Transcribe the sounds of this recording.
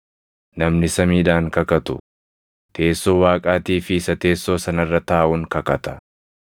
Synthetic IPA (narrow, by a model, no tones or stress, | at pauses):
nɐmnɪsɐmiːᶑaːŋkɐkɐt̪ʊ̰ | t̪ʰe̞ːsːo̞ːwaːkʼaːt̪iːfɪɪsɐt̪e̞ːsːo̞ːsɐnɐrːɐt̪aːʔʊŋkɐkɐt̪ɐ̥